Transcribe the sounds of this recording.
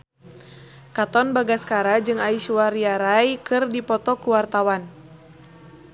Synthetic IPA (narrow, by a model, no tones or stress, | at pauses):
kat̪ɔnbaɡaskaɾad͡ʒɨŋaiʃuwaɾiaɾajkɨrdipɔt̪ɔkuwart̪awan